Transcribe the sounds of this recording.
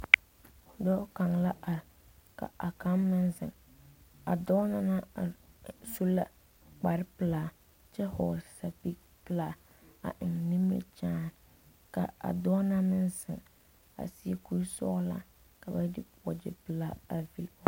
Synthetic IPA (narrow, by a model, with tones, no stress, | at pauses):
hʊ˨dɔ˦ka˨ŋla˦ʔa˨ɾɪ˨ka̰˨a˨ka˦mːɪ˦nzɪ̰˨ŋ | a̰˨dɔː˦na˨na˦a˨su˦la̰˦ | k͡pa˨ɾɪ˦pɨ˨laː˨ | t͡ʃɛ˦hɔ˨sa˨pi˦k̚ | pɨ˦laː˨ | a̰˨ʔɪ˨ŋni˦m˦ɾḭ˦t͡ʃaː˦n | ka̰˨a̰˨dɔ˦na˦mɪ˦nsɪ˨ŋ | a̰˨sɪ˦ku˦ɾsɔ̰˦la̰˨ | ka˨ba˦dɪ˦pwɔ˨d͡ʒɪ̰˨pɨ˨la˦a˨vi˨l